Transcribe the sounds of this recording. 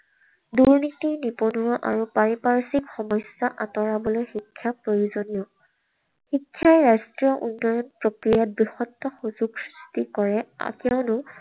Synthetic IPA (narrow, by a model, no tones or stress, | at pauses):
duɹnitiɹniponuɹɔʔa̰ɹupaɹipaɹsikxɔmɔsjɔʔatɔɹabɔlojxikʰːjapɹojuzonijɔ | xikʰːjajɹastɹijɔʔṵnːɔjɔnpɹokɹijabɹixɔtːɔxuzuɡsɹistikɔɹɛ̰kɛʊnʊ